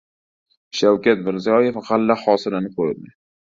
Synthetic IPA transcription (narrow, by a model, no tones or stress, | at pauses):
ʃawkʲat̪mɪɾzijɒjefʁalːahɒːsɪlanɪqʰojɪd̪ɪ